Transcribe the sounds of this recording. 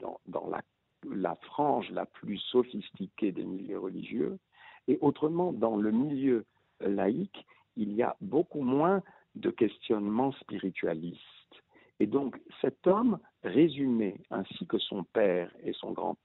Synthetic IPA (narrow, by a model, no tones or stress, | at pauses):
d̪ɑ̰̃d̪ɑ̰̃la̰ | la̰fχɑ̃ʒla̰plysɔfist̪ikʲed̪ḛmiljøʁəlḭʒjø̰ | eʔot̪χəmɑ̃d̪ɑ̃ləmiljø | laik | ilia̰bokumwɛ̃ | d̪əkʲɛst̪jɔnmɑ̃spiʁit̪ɥa̰lis | t̪ | ed̪ɔ̃ksɛt̪ɔm | ʁezymeɛ̃sikəsɔ̃pɛʁḛsɔ̰̃ɡʁɑ̰̃